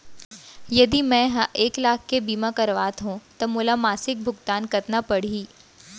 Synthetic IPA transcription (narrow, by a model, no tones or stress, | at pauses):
jɐd̪imɛ̃ɦaʔeːklaːkʰkebiːmãkɐɾʋaːt̪ɦũt̪ɐmuːlamaːsɪk̚bʱʊɡt̪aːnkɐɾt̪napɐɽ̤iː